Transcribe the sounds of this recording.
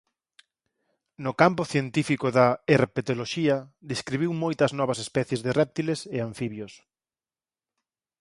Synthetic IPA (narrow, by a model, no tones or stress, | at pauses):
nʊkampʊθjent̪ifikʊðɐerpet̪oloʃiɐd̪eskɾiβiwmojt̪ɐznɔβɐsespɛθjezðɪrɛp̚t̪ileseaɱfiβjos